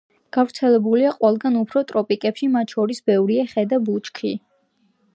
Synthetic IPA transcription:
ɡ̥avɾt̪sʰɛlɛbuliaqʼwɛlˠɡanupʰɾɔt̪ʼɾɔpʼikʼɛpʃimat̪ʰʃɔɾisbɛvɾiɛχɛd̪abut͡ʃkʰi

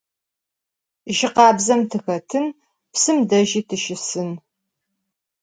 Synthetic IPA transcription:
ʒɪqɑːbzɐmtʰɨxɐtʰɨn | psɨmdɐʒiːtʰɨʃɪsɨn

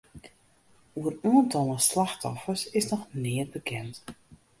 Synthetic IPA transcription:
uəraːəntɔlˠəslaxtɔfərsɪsnɔxnɪət̚bəkʰɛnt

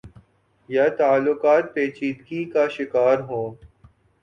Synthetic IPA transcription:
jat̪aːlːʊkaːt̪̚peːt͡ʃiːt̪kikaʃɪkaːɾɦõː

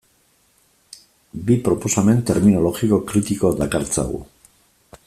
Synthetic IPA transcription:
bipɾo̞po̞same̞nt̪e̞ɾmino̞lo̞ɣiko̞kɾit̪iko̞ðakaɾt͡sa̰ɣṵ

